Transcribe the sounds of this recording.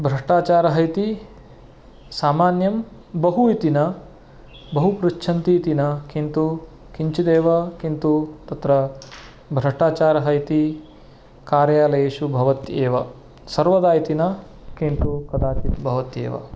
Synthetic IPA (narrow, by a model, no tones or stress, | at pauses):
bʱɾɐʂʈaːt͡ʃaːɾɐɦɐjt̪i | saːmaːnjɐm | bɐɦuit̪inɐ | bɐɦupɾut͡ʃːt͡ʃʰɐnt̪iːt̪inɐkint̪u | kiɲt͡ʃid̪eːʋɐkint̪ut̪ɐt̪ɾɐ | bʱɾɐʂʈaːt͡ʃaːɾɐɦɐjt̪i | kaːɾjaːlɐjeːʃubʱɐʋɐt̪eːʋɐ | sɐɾʋɐd̪aːjt̪inɐ | kint̪ukɐd̪aːt͡ʃit̪bʱɐʋɐt̪jḛːʋɐ̰